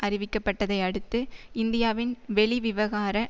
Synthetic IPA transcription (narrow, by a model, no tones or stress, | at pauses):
ʔɐɾɪʋɪkːɐpːɐʈːɐðɐɪɐɽɯt̪ːɯɪnd̪ɪjaːʋɪnʋɛɭɪʋɪʋɐɣaːɾɐ